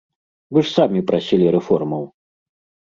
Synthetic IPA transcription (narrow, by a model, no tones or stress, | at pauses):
vɨʂsamʲipɾʔasʲilʲiɾɛfɔrmɐw